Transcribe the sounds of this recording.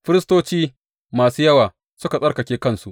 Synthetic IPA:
ɸɪ˦ɾɪ˦stoː˦t͡ʃiː˦ | maː˨suː˦jɐ˦waː˨ | sʊ˦ka˨sʼɐ˦rkɐ˨kʲeː˦kɐ˦nsu˦ʔ

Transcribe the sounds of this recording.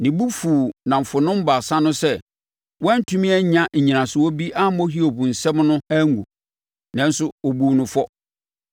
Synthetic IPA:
nɪ̃˨bu˦fuː˨nã˨m̩˨fʊ˨nʊ̃˦m̩˦ba˨sã˦nʊ̃˦sɛ˦ | wɔ̃˦n̩˦tʰũ˦mĩ˦ɛ˦ɲã˦ɲ̩˨ɲĩ˨nã˨sʊ˨wɔ˦bi˦ʔa˦mɔ˦ɦi˦o˨bũ˨n̩˨sɛ˦mnʊ̃˦æ˦ŋ˦ɡṵ˨ | nã˨˦n˦sʊ˦o˨bu˦nʊ̃˨fɔ˦

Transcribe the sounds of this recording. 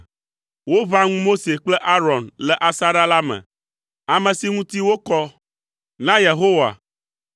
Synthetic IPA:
wo˦va˦ŋũ˦mo˦se˨k͡plɛ˦ʔa˦ɾɔ˨nlɛ˨ʔa˨sa˦ɖa˦la˦mɛ̰̃˨ | a˨mɛ̃˨si˦ŋũ˦t̪i˦wo˦kɔ˦ | nã˦je˨ɦo˦wa̰˨

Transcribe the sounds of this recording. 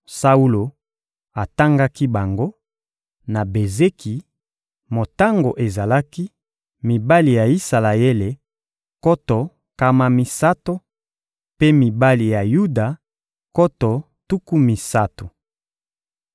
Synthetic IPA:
sa˦u˦lo˨ | a˨ta˦ŋɡa˦ki˦ba˨ŋɡo˦ | na˨be˨ze˦ki˨ | mo˨ta˦ŋɡo˨ʔe˨za˨la˦ki˦ | mi˨ba˦li˨ja˨i˦sa˨la˨e˦le˨ | ko˦tɔ˨ | ka˦ma˦mi˨sa˦to˦ | pe˦mi˨ba˦li˨ja˨ju˦da˨ | ko˦tɔ˨ | tu˦ku˦mi˨sa˦to˨

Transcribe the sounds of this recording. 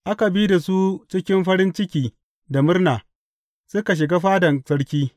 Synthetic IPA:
ʔa˦ka˨bi˦da˨su˦t͡ʃɪ˦kʲɪ˦mɸɐ˦ɾɪ˦nt͡ʃɪ˦kʲiː˨ | da˨mʊ˦rnaː˨ | sʊ˦ka˨ʃ̬ɪ˨ɡa˦ɸaː˦dɐ˨nsɐ˦ɽkʲiː˦

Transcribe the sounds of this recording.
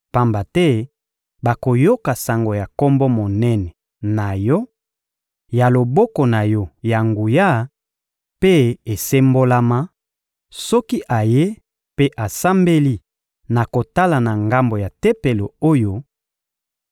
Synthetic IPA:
pa˦mba˨tɛ˦ | ba˨ko˨jo˦ka˨sa˨ŋɡo˨ja˨ko˦mbɔ˦mo˨nɛ˦nɛ˨ | na˨jɔ˦ | ja˨lo˨bɔ˦kɔ˨na˨jɔ˦ja˨ŋɡu˨ja˦ | pe˦e˨se˦mbo˦la˦ma˦ | sɔ˦ki˦ʔa˨je˦ | pe˦ʔa˨sa˦mbe˦li˦ | na˨ko˨ta˦la˨na˨ŋɡa˦mbo˨ja˨tɛ˦pe˨lo˨o˦jo˦

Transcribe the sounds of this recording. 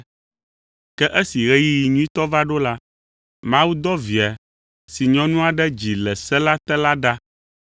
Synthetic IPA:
kɛ˦ʔɛ˦si˨ɣɛ˦ji˦ji˨ɲũ˦i˦t̪ɔ˦va˦ɖo˦la˦ | mã˦wu˦d̪ɔ˦vi˨a˨ | si˨ɲɔ̃˦nũ˦a˨ɖɛ˦d͡ʑi˨lɛ˨sɛ˦la˦t̪ɛ˦la˦ɖa˦

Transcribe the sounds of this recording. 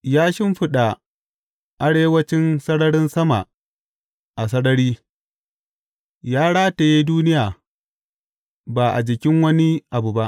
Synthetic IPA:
jaː˦ʃɪ˦mɸɪ˦ɗa˨ | ʔa˨ɽeː˦wɐ˦t͡ʃɪ˦nsɐ˦ɽɐ˦ɽɪ˦nsɐ˦ma˨ | ʔa˨s̬ɐ˦ɽɐ˦ɽiː˦ | jaː˦ɽaː˦ta˨ji˦duː˦nɪ˦jaː˨ | ba˨ʔa̰˨d͡ʒɪ˨kʲɪ˦ŋwɐ˦ni˦ʔa˨bu˨ba˦ʔ

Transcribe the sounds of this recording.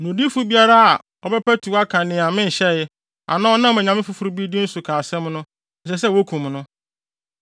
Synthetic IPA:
nʊ̃˨di˦fu˦bi˦a˦ɾa˦a˨ | ɔ˨bɛ˦pɛ˦tʰu˨a˦kʰã˨nɪ̃˨a˨mɪ̃˦n̩˨ɕɛ˦˨jɪ˦ | a̰˨nã˦ɔ˦nã˦˨ɛ̃˨ɲã˨mɪ̃˦fu˦fu˦ɾu˦bi˦dɪ˦n̩˦su˨kʰaː˨sɛ̃˦mnʊ̃˦˨ | ɕɛ˨s̬ɛ˦wo˦kʰũ˨m˨nʊ̃˦

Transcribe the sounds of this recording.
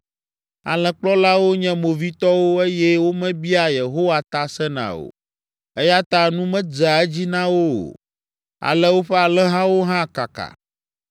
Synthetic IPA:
a̰˨lɛ̃˨k͡plɔ˦la˦wo˦ɲɛ̃˦mo˨vi˦t̪ɔ˦wo˦e˦jɛ˦wo˦mɛ̃˦bi˦a˨je˨ɦo˦wa˨t̪a˦sɛ˦nã̰˨o̰˨ | ɛ˦ja˦t̪a˦nũ˦mɛ̃˦d͡za˨ɛ˦d͡ʑi˦nã˦wo˦o̰˨ | a̰˨lɛ˦wo˦ɸɛ˦a˨lɛ̃˦ɦã˦wo˦ɦã˦˨ka̰˨ka̰˨

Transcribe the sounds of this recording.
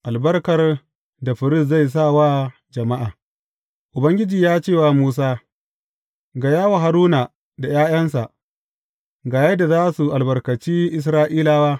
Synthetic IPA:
ʔa˨lbɐ˦rkɐ˨r | da˨ɸɪ˨ɾɪ˦˨s̬za˦˨js̬a˦˨wa˦ | d͡ʒɐ˨ma˦ʔaː˨ | ʔʊ˨bɐ˦ŋɡʲɪ˦d͡ʒiː˨jaː˦t͡ʃeː˦˨waː˨muː˦s̬aː˦ | ɡa˨jaː˦wa˨ɦa˨ɾuː˦na˨ | da˨jaː˦j̰ɐ˦nsa˨ʔ | ɡaː˨jɐ˦dːa˨zaː˦su˨ʔa˨lbɐ˨rkɐ˨t͡ʃiː˦ʔɪ˦˨s̬ɾaː˦ʔiː˦laː˦waː˦

